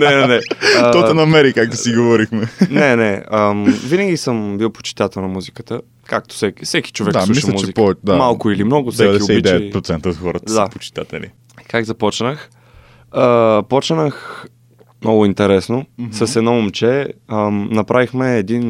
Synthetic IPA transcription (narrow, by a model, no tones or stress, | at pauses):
nɛnɛnɛt̪ɔt̪ɛnɐmɛɾikak̚t̪osiɡovɔɾixmɛnɛnɛəmvinəɡʲisəmbiwˠpo̥t͡ʃi̥t̪at̪ɛlˠnɐmuzikət̪ə | kak̚t̪o̥sɛkifsɛki̥t͡ʃovɛkd̪aslˠuisʃlɐmut͡ʃzt͡ʃɛipɔvɛt͡ʃd̪amalˠkʊilimnɔɡʊfsɛɛdk̪ɛioɛid̪ɛɛpɾot̪sɛnt̪əot̪xɔɾət̪d̪apot͡ʃi̥t̪at̪ɛlḭ | kaɡzɐpɔt͡ʃnəx | əpɔt͡ʃnəx | mnɔɡʊint̪ɛɾɛsnosəsɛd̪nɔomt͡ʃɛənɐpɾʔavixmɛːd̪in